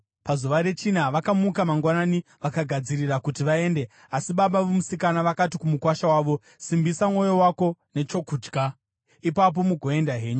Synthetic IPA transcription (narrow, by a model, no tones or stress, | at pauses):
pazuʋaɾe̞t͡ʃinaʋakamukamaŋɡwananiʋakaɡʱad͡zirirakutiʋae̞ːnde̞ | asiɓaɓaʋemusikanaʋakatikumukwaʃawaːʋo̞ | simbisamŋo̞jo̞wako̞ne̞t͡ʃo̞kuːd͡ʒɡʱa | ipap̬o̞muɡʱo̞e̞ndaɦe̞ːɲu